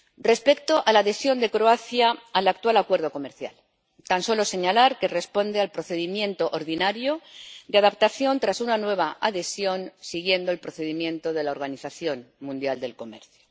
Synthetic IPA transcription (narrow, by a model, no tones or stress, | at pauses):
re̞spe̞k̚t̪o̞ʔalaðe̞sjo̞nd̪e̞kɾoaθjaːlak̚t̪walakwe̞ɾð̞o̞ko̞me̞ɾθja̰l | t̪anso̞lo̞se̞ɲalaɾke̞re̞spo̞nd̪e̞alpɾoθe̞ðimjẽ̞nt̪o̞ʔoɾðinaɾjo̞d̪eaðapt̪aθjo̞nt̪ɾasunanwe̞β̞aaðe̞sjo̞nsiɣje̞nd̪o̞elpɾo̞θe̞ðimjẽ̞nt̪o̞ð̞e̞laoɾɣaniθaθjo̞nmũnd̪jald̪e̞lko̞me̞̰ɾθjo̥